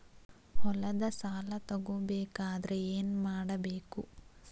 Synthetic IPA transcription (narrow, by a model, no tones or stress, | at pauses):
hɔlɐd̪ɐsaːlɐt̪ɐɡobeːkaːd̪ɐɾeeːnmaːɽɐbeːku